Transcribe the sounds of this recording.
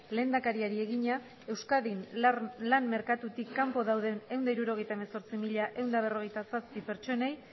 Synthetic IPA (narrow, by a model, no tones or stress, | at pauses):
le̞ːnd̪akaɾiaɾie̞ɣ̞iɲa | e̞wskaðinlamme̞ɾkat̪ut̪ikːampo̞ðawðe̞ne̞wnd̪aiɾuɾo̞ɣ̞e̞jt̪ae̞me̞so̞ɾt͡simiʎaʔe̞wnd̪aβ̞e̞ro̞ɣ̞e̞jt̪asaspipe̞ɾt͡ʃo̞ne̞j